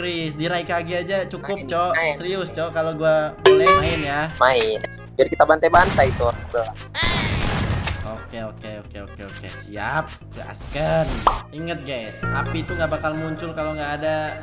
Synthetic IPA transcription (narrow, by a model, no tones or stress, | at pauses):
kɾisdiɾaikaɡiad͡ʒat͡ʃukʊp̚t͡ʃɔsəɾiʊst͡ʃɔkaloɡuamulamaɪnjamaɪn | d͡ʒaɾikit̪abant̪abant̪ait̪uɾaŋd̪ola | okeokeokeo̰keo̰kḛsia̰p̚ɡa̰a̰skəniŋət̪̚ɡajsa̰pit̪uŋɡaʔbakalmuɲt͡ʃʊlkaloŋɡaːda